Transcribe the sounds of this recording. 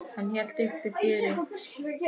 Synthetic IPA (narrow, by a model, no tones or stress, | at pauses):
hanːçɛl̥t̪ʏhkɾɪfɪːɾɪ